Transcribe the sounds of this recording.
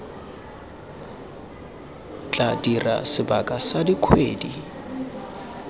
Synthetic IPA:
t͡ɬʼadira̰sɪbakʼasadikʰwḛːdi

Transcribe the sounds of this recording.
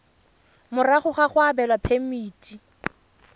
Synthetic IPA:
mʊraχʊχaχʊabɛlwapʰemiːtʼi

